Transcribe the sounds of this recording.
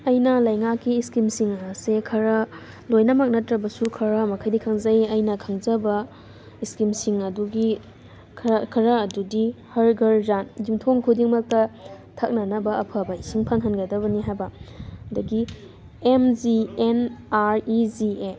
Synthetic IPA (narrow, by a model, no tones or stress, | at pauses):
ɐjnɐlɐjŋakːiːskimsiŋɐsekʰɐɾɐ | lojnɐmɐk̚nɐtɾɐbɐsukʰɐɾɐmɐkʰɐjdikʰɐŋzɐjɐjnɐkʰɐŋzɐbɐ | iskimsiŋɐduɡi | kʰkʰɐɾɐːdudihɐɾɡɐɾzandimtʰoŋkʰudiŋmɐk̚tɐ | tʰɐk̚nɐnɐbɐɐpʰɐbɐisiŋpʰaŋɦɐnɡɐdɐβɐniɦajbɐdɐɡi | emd͡ʒienaɾizie